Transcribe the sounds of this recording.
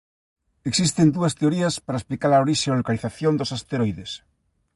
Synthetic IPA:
eksist̪end̪uɐst̪eoɾiɐspaɾaesplikaɾaoɾiʃeolokaliθaθjõnd̪osast̪eɾojðes

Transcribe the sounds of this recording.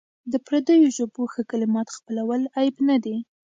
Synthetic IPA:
d̪əpɾad̪əjoʒoboxəkalɪmɑt̪xpəlawəlajbnad̪e

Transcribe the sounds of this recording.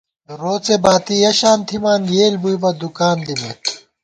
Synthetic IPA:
ɾoːt͡sebaːt̪ijɐɕaːnt̪ʰimaːnjeːlbujbɐd̪ukaːnd̪ime

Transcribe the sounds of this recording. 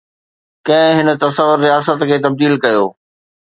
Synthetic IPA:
kɐ̃ɦɪ̃ɦɪnə̆t̪ɐsəʋʊɾːijaːsət̪kʰeːt̪ɐb̚d̪iːlkɐjoː

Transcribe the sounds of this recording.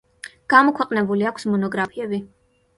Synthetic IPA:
ɡ̥amɔkʰwɛqʼnɛbuliakʷʰsmɔnɔɡɾapʰiɛbi

